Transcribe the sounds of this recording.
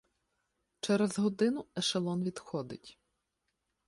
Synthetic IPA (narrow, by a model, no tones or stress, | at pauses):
t͡ʃɛɾɛzɦɔd̪ɪnʊɛʃɐlˠɔnʋʲid̪xɔd̪ɪ̰tʲ